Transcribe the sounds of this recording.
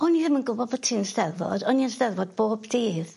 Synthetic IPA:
ɔniðɪmənɡʊbɔbɔtʰiːnsdɛðvɔ̰d̥ɔniənsdɛðvɔd̚boːbdiːð

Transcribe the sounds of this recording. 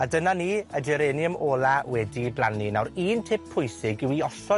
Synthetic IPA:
adənaniːəd͡ʒɛɾeːnəmoːlˠawɛdiblˠaninawɾiːntʰɪpʰːʊjsɪɡɪwiɔsɔ

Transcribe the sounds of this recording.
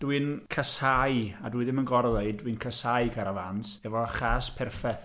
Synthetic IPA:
d̥wɨnkʰəsajadwiɨðɪmənɡɔrðˠaɨdwɨnkʰəsaɨɡʰaɾava̰nsɛvɔχaspʰɛrfɛθ

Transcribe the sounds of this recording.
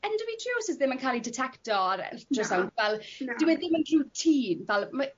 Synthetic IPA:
ɛndəvitʰr̥uːsɪzðɪmənkʰaːlˠidɪtʰɛktɔɾɛ̰drəsawnvɛlˠdɪwɛðɪmənrutʰiːnvɛlˠma

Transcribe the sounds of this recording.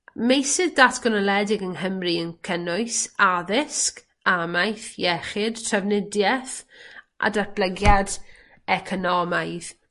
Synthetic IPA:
mejsɪðdatʰɡ̥ɔnɔlˠɛdɪɡənɦəmriənkʰənʊɨsaðɪsk | amajθjɛχɪd̥tʰrəvnɪdjɛθʔa̰dat̚b̥ləɡjad | ɛkʰɔnɔmajð

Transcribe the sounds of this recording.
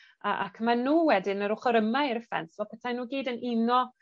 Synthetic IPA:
ə̰ʔa̰kʰəmanuːwɛdɪnəɾʊχəɾəmajɾəfɛ̰nsvɔpʰɛtʰajnuːɡeːdənʔɪnɔ

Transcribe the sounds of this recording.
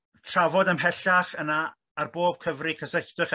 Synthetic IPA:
tʰr̥avɔdəmɦɛɬaχənaː | rboːb̥̚kʰəvrikʰəsəθdɨχ

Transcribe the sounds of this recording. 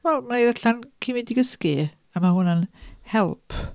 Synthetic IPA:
wɛlˠmaiðaɬankʰimidɪɡəski | amahʊnənhɛlˠpʰ

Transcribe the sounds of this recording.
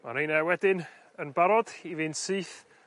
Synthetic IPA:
ma̰nejnɛwɛdɪn | ənbaɾɔd̥ivɨntsɨːθ

